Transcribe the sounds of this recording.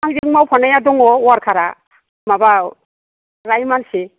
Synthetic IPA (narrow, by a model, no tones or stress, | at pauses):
andiŋmawpʰɔnajadɔŋɔwaɾkʰaɾa | maba | ɾajmanse